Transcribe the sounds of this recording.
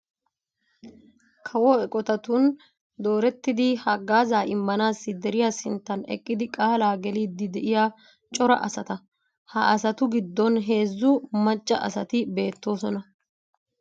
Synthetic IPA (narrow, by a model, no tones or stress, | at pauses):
kʰɐwɔɛkʼɔt̪ɐt̪ʊn | d̪o̞ːɾɛt̪ːɪd̪ɪhɐɡːaːzaːʔɪmːɐnaːsːɪd̪ɛɾɪjaːsɪnt̪ːɐnɛ̰kʼːɪd̪ɪkʼaːlaːɡɛliːd̪ːɪd̪ɛʔɪja | t͡ʃʼɔɾɐ̰ʔɐ̰sɐt̪ɐ | hɐ̰ʔɐsɐt̪ʊɡɪd̪ːɔnɦe̞ːzːʊmɐt͡ʃʼːɐ̰ʔɐ̰sɐt̪ɪbe̞ːt̪ːo̞ːsɔnɐ